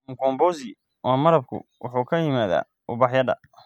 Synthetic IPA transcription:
ŋkʰɔːmbɔːsɪ | ʔɔːmɐɾɐb̚kʰʊ̰wʊħuːkʰɐjɪmaːða̰ː | ʔʊbɑħjɐd̪ɐ̰

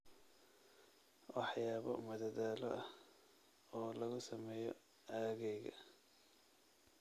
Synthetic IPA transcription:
wɑħjaːβɔmɐðɐðaːlɔʔɐh | ɔːlɐɣʊsɐmɛːjɔ | aːɣɛjɣɐ

